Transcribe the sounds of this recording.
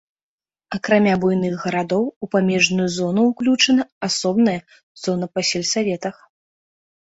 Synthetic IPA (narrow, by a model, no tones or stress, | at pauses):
ɐkɾamʲabujnɨɣɣɐɾad̪ɔwupamʲɛʐnujuzɔnuwklʲut͡ʂɐnɐasɔbnɐjɐ | z̥ɔnɐpɐsʲɛlʲsavʲɛt̪ɐx